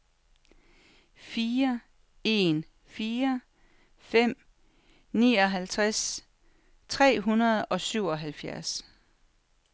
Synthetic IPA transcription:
fiːɐ | e̝n | fiːɐ | fem̰ | nḭːɒ̽ɦælt͡sʰʁas | t͡sʰʁɛ̰ːɦunɐð̞ˠɒ̽syʊ̰ɒ̽ɦælfjæɐs

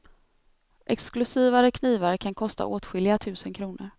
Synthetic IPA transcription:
ʔɛksklɵsiːvaɾəkʰniːvaɾkʰankʰɔst̪a̰ʔoːt̪ɧɪlɪat̪ʰʉ̟ːsənkʰɾuːnəɾ

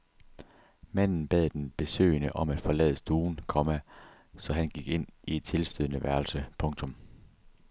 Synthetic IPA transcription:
mæn̰n̩b̥ɛð̰ˠd̥enb̥e̝sø̰ːɪnəʔɒ̽mæd̥fɒ̽lɛ̰ːð̞ˠsd̥uːnkʰɒ̽mæ | sɒ̽ɦænɡ̥iɡ̥e̝n̰ie̝d̥̚t͡sʰe̝lsd̥øð̰ˠənəʋæɐlsəpʰɔ̽ŋt͡sʰɔ̽m

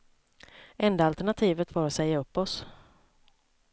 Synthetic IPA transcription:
ɛnd̪aalt̪æɳat̪ʰiːvət̪vaɾɔt̪sɛjːaɵpːɔs

